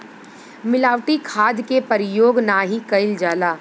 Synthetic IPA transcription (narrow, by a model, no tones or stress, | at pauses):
mɪlaːʋʈikʰaːd̪kepɐɾɪjoːɡnaːɦikɐɪld͡ʒaːlaː